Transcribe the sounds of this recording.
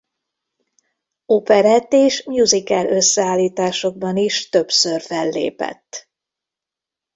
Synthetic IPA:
opɛɾɛt̪eːʃmjuzikɛlø̞sːɛaːlːiːt̪aːʃo̞ɡ̚bɒniʃt̪ø̞psørfɛlːḛːpɛ̰t̪ː

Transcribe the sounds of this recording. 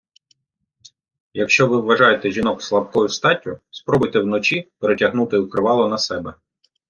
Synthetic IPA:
jɐkʃt͡ʃɔʋɪwːɐʒɑjet̪ɛʒʲinɔkslˠɐpkɔjʊst̪ɑtʲːʊspɾɔbʊjt̪ɛwnɔt͡ʃipeɾetʲɐɦnut̪ɪwkɾɪʋɑlˠɔnɐsɛbɛ

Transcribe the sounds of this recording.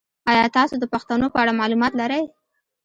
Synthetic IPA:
ɑjɑt̪ɑsod̪əpaxt̪anopəaɽamɑlumɑt̪laɾəj

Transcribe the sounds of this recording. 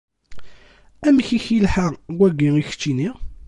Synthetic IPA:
æmçiçilħaʁwæɡiiçə̥t͡ʃːini

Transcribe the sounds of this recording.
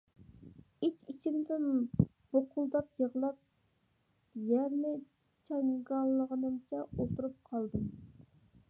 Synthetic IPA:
it͡ʃʲit͡ʃʰimd̪ɪn | b̥oqʰʊlˠd̪ɑpjəʁlˠɑp̚ | jæɾnɪ | t͡ʃʰɑŋɡɑnlˠːəʁənɨmt͡ʃʰɛolˠt̪uɾup̚qʰɑlˠd̪ɨm

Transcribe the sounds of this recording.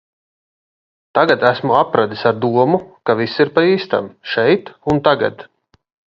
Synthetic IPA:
t̪aɡad̪æsmuapɾad̪isaɾd̪uɔmukavisiɾpaiːst̪a̰mʃɛjt̪unt̪aɡa̰d̪

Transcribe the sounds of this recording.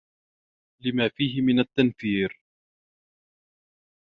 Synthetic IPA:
lɪmaːfiːɦɪmɪnat̪ːanθiːɾ

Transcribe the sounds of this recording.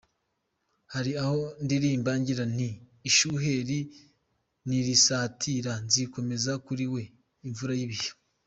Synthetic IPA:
haɾiaho̞ndiɾimbaːɲɟiɾaniːʃuɦe̞ɾi | niɾisaːtʰiɾanziko̞me̞zakuɾiwe̞ | iɱvuɾajiβijo̥

